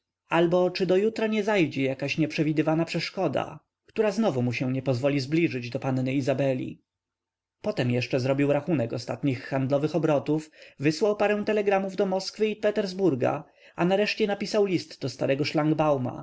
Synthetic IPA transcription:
albɔt͡ʂɘd̪ɔjut̪ɾaɲɛzajd͡ʑɛjakaɕɲɛpʂɛvʲid̪ɘvanapʂɛʂkɔd̪a̰ | kt̪uɾaznɔvumuɕɛ̃ɲɛpɔzvɔlʲizblʲiʐɘd͡ʑd̪ɔpannɘizabɛlʲḭ | pɔt̪ɛmjɛʂt͡ʂɛzɾɔbʲiwɾaxunɛkɔst̪at̪ɲixːand̪lɔvɘxɔbɾɔt̪ufvɘswawpaɾɛ̃w̃t̪ɛlɛɡɾamuvd̪ɔmɔskfɘipɛt̪ɛɾzbuɾɡa̰ | anaɾɛʂt͡ɕɛnapʲisawlʲist̪d̪ɔst̪aɾɛɡɔʂlaŋɡbawma̰

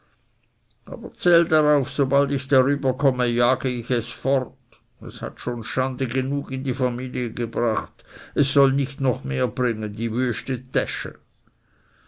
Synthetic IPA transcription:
ʔa̰ːbɐt͡sɛːldaʁaʊfsobaltɪçd̥aʁyːbɐkʰɔməjaːɡəɪçɛsfɔʁt | ɛ̰sha̰tʃoːnʃandəɡənuːkɪndiːfamiːliəɡəbʁaχtɛsːɔlnɪçtnɔχmeːɐb̥ʁɪŋəndiːʋøːʃtətɛʃə̰

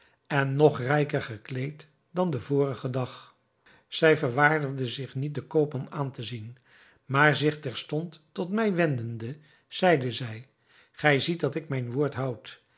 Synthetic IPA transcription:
ɛnːɔχrɛjkərχəklejt | dɑndəvʊːrəχədɑχ | z̥ɛjvəɹʋaːɹdəʁdəzɪχnit̚dəkowpɔmaːntəzin | maːɹzɪχtɛɹstɔntːɔtmɛjʋɛndəndə | z̥ɛjdəzɛj | χɛjzit̚dɑtɪk̚mɛjnʋʊːɹtɦɑwt

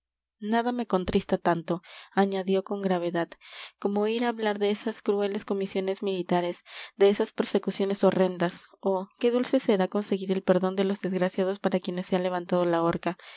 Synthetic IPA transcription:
naðame̞ko̞nt̪ɾist̪at̪ant̪o̞aɲaðjo̞ko̞ŋɡɾaβe̞ðaðko̞mo̞iɾaːβlaɾðe̞esaskɾue̞le̞sko̞misjo̞ne̞zmilit̪aɾe̞zd̪e̞esaspe̞ɾse̞kusjo̞ne̞so̞re̞nd̪aso̞ke̞ðulse̞se̞ɾako̞nse̞ɣiɾe̞lpe̞ɾðo̞nd̪e̞lo̞zðezɣɾasjaðo̞spaɾakjene̞sːeanle̞β̞ant̪að̞olao̞ɾka

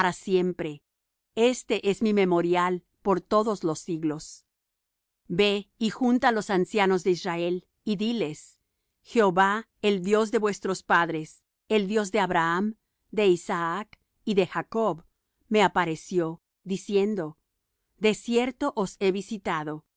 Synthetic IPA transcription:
ɾasje̞mpɾe | e̞st̪e̞ʔe̞zmimemo̞ɾjal | po̞ɾt̪o̞ðo̞zlo̞siɣlo̞s | be̞ixunt̪alo̞sansjano̞zðe̞israe̞l | iðile̞s | xe̞oβa | eld̪jo̞zðe̞βwe̞st̪ɾo̞spaðɾe̞s | eld̪jo̞zðe̞aβɾaam | d̪e̞isaak | iðe̞xako̞β | me̞apaɾesjo̞ | ðisje̞nd̪o̞ | d̪e̞sje̞ɾt̪o̞ʔose̞βisit̪aðo̞

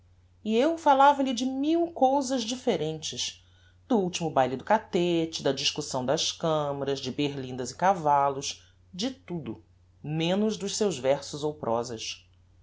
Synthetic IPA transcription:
iewfalavɐlɪd͡ʒɪmiwkowzɐzd͡ʒifeɾẽnt͡ʃɪʃ | d̪̥ʊuwt͡ʃimʊbajlɪd̪ʊkat̪et͡ʃɪd̪ɐd͡ʒiʃkusɐ̃w̃d̪ɐskɐ̃mɐɾɐzd͡ʒɪbeɾlĩnd̪ɐzɪkavalʊʃ | d͡ʒɪt̪ud̪ʊ̰ | mẽnʊzd̪ʊʃsewʒvɛɾsʊzowpɾʔɔ̰zɐ̰ʃ

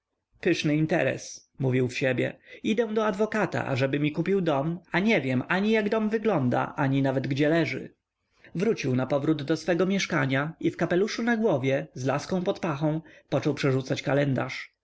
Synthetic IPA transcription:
pɘʂnɘint̪ɛ̰ɾɛ̰s | muvʲiwfɕɛbʲjɛ̰id̪ɛ̃d̪ɔad̪vɔkat̪a̰ʔa̰ʐɛbɘmʲikupʲiwd̪ɔmaɲɛvʲjɛmaɲijaɡd̪ɔmvɘɡlɔnd̪a̰ʔaɲinavɛd̪ɡd͡ʑɛlɛʐɘ̰ | vɾut͡ɕiwnapɔvɾud̪ːɔsfɛɡɔmʲjɛʂkaɲaifkapɛluʂunaɡwɔvʲjɛzla̰skɔ̃w̃pɔt̪paxɔ̃w̃pɔt͡ʂɔwpʂɛʐut̪sat͡ɕkalɛnd̪a̰ʂ

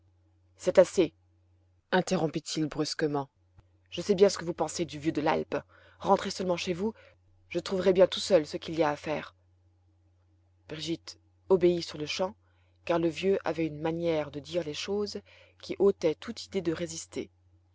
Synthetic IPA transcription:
sɛt̪ase | ɛ̃t̪eʁɔ̃pit̪ʰilbʁyskəmɑ̃ | ʒ̥əsɛbjɛ̃sə̥kəvupɑ̃sed̪yvjød̪əla̰lp | ʁɑ̃t̪χesœlmɑ̃ʃevu | ʒ̥ət̪χuvʁɛbjɛ̃t̪usœlsəkʲiliaːfɛːʁ | b̥ʁiʒit̪ | ɔbeisyʁləʃɑ̃ | kaʁləvjøʔa̰vɛynmanjɛʁd̪əd̪iʁleʃoz | kʲiʔot̪ɛt̪ut̪ʰid̪ed̪əʁezist̪ʰḛ

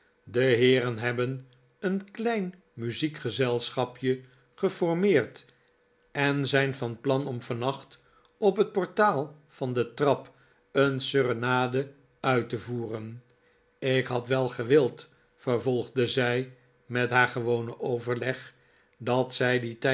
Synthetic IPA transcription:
dəɦɪːɾənɦɛbən | ənklɛjn | myzikχəzɛlˠsχɑpjə | χəfɔɹmɪːɹt | ɛnzɛjnvɑnplɑnɔmvɑnɑχt | ɔpɦət̚pɔɹtaːlˠ | fɑndətrɑp | ənsørənaːdə | œɥtəvuːrən | ɪkɦɑtʋɛlˠχəʋɪlˠt | fəɹvɔlˠχdəzɛj | mɛtɦaːɹχəʋownəʔowvəɹlɛχ | dɑtsɛjditɛ

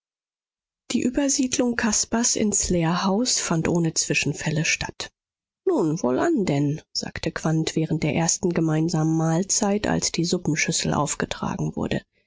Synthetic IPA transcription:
d̥iːʔyːbɐziːdlʊŋkʰaspasɪ̰nsleːɐhaʊsfantʔoːnət͡sv̥ɪʃn̩fɛləʃtʰa̰t | nuːnvoːlʔandɛnz̥a̰ːktʰəkv̥antv̥ɛːʁən̩t̚d̥eːɐʔeːɐstn̩ɡəmaɪnzaːmən̩maːlt͡saɪtʰa̰lsd̥iːzʊpn̩ʃʏsl̩ʔa̰ʊfɡ̥ətʁ̥a̰ːɡŋ̩vʊ̰ɐdə̰

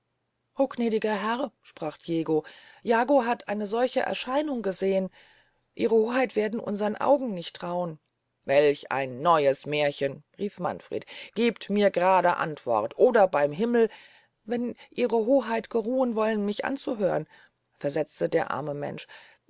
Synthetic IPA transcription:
ʔoːknɛːdɪɡɐɦɛʁʃpʁ̥aːχʰjeːɡojaːɡoɦatʰʔaɪnəzɔlçəʔɛ̰ɐʃaɪnʊŋɡəzeːən | ʔiːʁəhoːɦaɪtv̥eːɐdn̩ʔʊ̰nzəʁənʔa̰ʊɡŋ̩nɪçtːʁ̥aʊən | vɛlça̰ɪnːɔʏəsmɛːɐçənʁiːfma̰nfʁ̥ḛːtɡ̥iːptmiːɐɡəʁaːdəʔa̰ntv̥ɔ̰ʁtʰʔoːdɐbaɪmɦɪml̩ | vɛnʔiːʁəɦoːɦaɪtɡ̥əʁuːənvɔlənmɪçʔa̰nt͡suɦøːʁən | fɛɐzɛt͡stədeːɐʔa̰ɐməmɛ̰nʃ

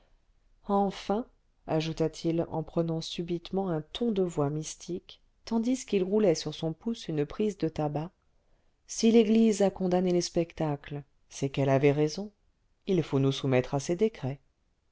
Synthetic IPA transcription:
ɑ̃fɛ̃ | aʒut̪at̪ʰilɑ̰̃pχənɑ̃sybit̪mɑ̃ɛ̃t̪ʰɔ̃d̪əvwamist̪ʰik | t̪ɑ̃d̪iskilʁulɛsyʁsɔ̃pusynpχizd̪ət̪aba | sileɡlizakɔ̃d̪aneləspɛkt̪akl | sɛkɛlavɛʁezɔ̃ | ilfonusumɛt̪χasɛd̪ekχɛ

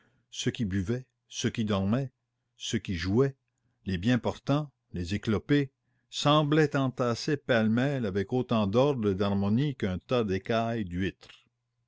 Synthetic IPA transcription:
səkʲibyvɛ | søkʲid̪ɔʁmɛ | səkʲiʒuɛ | lebjɛ̃pɔʁt̪ɑ̃ | lezeklɔpe | sɑ̃blɛt̪ɑ̃t̪asepalmɛlavɛkot̪ɑ̃d̪ɔʁd̪ʁed̪aʁmɔnikœ̃t̪ad̪ekajd̪ɥɪt̪ʁ

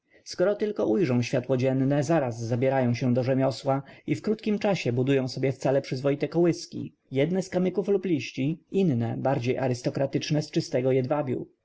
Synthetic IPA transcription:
skɔɾɔt̪ɘlkɔʔujʐɔ̃w̃ɕfʲjat̪wɔd͡ʑɛnːɛzaɾazːabʲjɛɾajɔ̃w̃ɕɛ̃d̪ɔʐɛmʲɔswaifkɾut̪kʲimt͡ʂaɕɛbud̪ujɔ̃w̃sɔbʲjɛft̪salɛpʂɘzvɔit̪ɛkɔwɘskʲḭ | jɛd̪nɛskamɘkufluplʲiɕt͡ɕiinːɛbaɾd͡ʑejʔa̰ɾɘst̪ɔkɾat̪ɘt͡ʂnɛst͡ʂɘst̪ɛɡɔjɛd̪vabʲjṵ

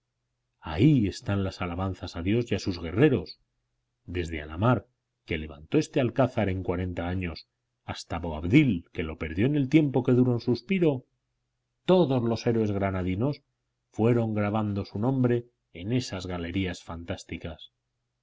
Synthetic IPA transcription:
a̰ie̞st̪anlasalaβ̞an̟θasaðjo̞sjasuzɣe̞re̞ɾo̞s | d̪e̞zðea̰la̰maɾ | ke̞le̞β̞a̰nt̪o̞e̞st̪ealkaθaɾe̞ŋkwaɾe̞nt̪aaɲo̞s | ast̪aβo̞aβðilke̞lo̞pe̞ɾðjo̞ene̞lt̪je̞mpo̞ke̞ðuɾonsuspiɾo̞ | t̪o̞ðo̞zlo̞se̞ɾwe̞zɣɾanaðino̞s | fwe̞ɾo̞ŋɡɾaβ̞and̪o̞sunõ̞mbɾe̞ː | ne̞sazɣale̞ɾiasfant̪ast̪ikas

